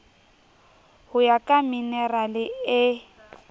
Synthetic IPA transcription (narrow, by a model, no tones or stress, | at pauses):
hʊjakʼaminɛralɪɪ